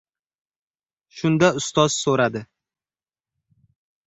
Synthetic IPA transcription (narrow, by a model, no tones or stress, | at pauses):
ʃʊnd̪aʊst̪ɒz̥soɾad̪ɪ